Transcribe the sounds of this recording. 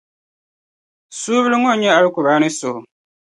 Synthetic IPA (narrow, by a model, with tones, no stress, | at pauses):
suː˦βi˦li˦ŋo˦˨˦ɲa˦a˦li˦ku˨βaː˨˦ni˦so˨